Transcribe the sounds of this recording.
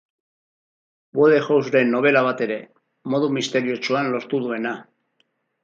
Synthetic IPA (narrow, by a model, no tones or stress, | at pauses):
bweðexowzɾe̞nːo̞β̞e̞laβ̞at̪e̞ɾe̞ | mo̞ðumist̪e̞ɾio̞t͡ʃuanlo̞st̪uðue̞na